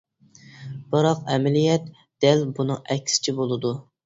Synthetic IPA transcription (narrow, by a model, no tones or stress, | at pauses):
b̥ɑɾɑqɛmɛlijɛt̪ | d̪̥ɛlbunɨŋʔɛkʲsɪ̥t͡ʃʰibolˠɨd̪u